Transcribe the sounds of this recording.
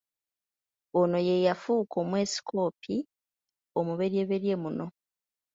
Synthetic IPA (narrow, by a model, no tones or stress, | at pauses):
ono̞je̞jafuːkʰo̞ːmwe̞ːsi̥kʰo̞ːpʰi | omuβe̞ɾie̞βe̞ɾje̞muno̞